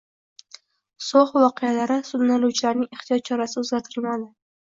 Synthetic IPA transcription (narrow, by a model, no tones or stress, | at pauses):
soχvɒqʰejalaɾɪsʊd̪naluwt͡ʃʰɪlaɾnɪŋeχt̪ʰijɒt̪̚t͡ʃʰɒɾasɪʊzɡʲat̪ʰɪlmad̪ɪ